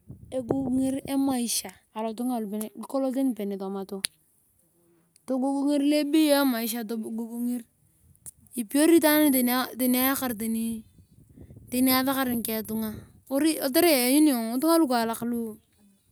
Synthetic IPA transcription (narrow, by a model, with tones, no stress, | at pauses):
e˨ɡu˦ɡŋi˦ɾe˦ma˨i˨ʃa˨ | a˨lo˨tu˦ŋa˨lu˨pe˨n˨ko˦lo˦t̬e˦n˨pe˨ne˨to˨ma˨to˦ | to˨ɡu˦ɡu˦ŋi˦ɾle˦bi˦jo˦e˦ma˨i˨ʃ̬a˨to˨ɡo˦ɡu˦ŋi˦ɾ | i˨pi˦o˦ɾi˦ta˦n˦ni˦te˨n˦te˨n˦a˦ka˦˨ɾt̬e˨ni˦ | te˨ni˦a˦ta˦ka˦ɾi˨ŋ˨ke˨tu˦ŋa˦ | o˦ɾi˦o˨t̬e˦ɾe˦˨ɲi˦ni˦o˨ŋo˨˦tu˦ŋa˦lu˦ka˨la˨klu˦